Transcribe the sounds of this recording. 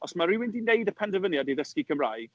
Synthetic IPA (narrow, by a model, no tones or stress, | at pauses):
ɔsmaɾiwɪndinejdəpʰɛndəvənjadiðəskikʰəmrajɡ̥